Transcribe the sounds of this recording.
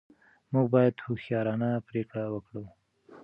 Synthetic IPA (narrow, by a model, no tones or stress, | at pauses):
muɡ̚bɑjad̪huxjɑɾɑnapɾekɽawəkɽu